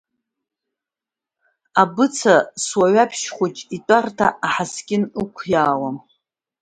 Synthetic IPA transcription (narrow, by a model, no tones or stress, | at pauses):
abɨt͡sʰaswaɥapʰʃχʷut͡ʃʼitʼartʰa̰ʔaħaskʲɪnɨkʷʰjaːwam